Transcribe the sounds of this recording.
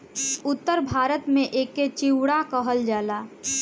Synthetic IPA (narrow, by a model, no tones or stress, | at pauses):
ʊt̪ːəɾbʱaːɾət̪mẽʔekːet͡ʃiwɽakəɦəld͡ʒaːla